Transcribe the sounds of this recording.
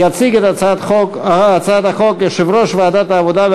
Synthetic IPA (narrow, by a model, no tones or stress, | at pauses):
at͡siɡet̪at͡sat̪χokat͡sat̪axokʃɪvɾoʃvaːd̪at̪aːvod̪ab